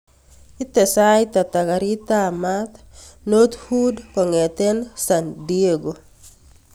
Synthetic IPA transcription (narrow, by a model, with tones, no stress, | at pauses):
i˦te˨sajt̪a˨t̪a˨ka˨ɾi˦t̪amat̪ | no˦t̪hudkɔ˨ŋet̪e˦nsandie˦ɡo˨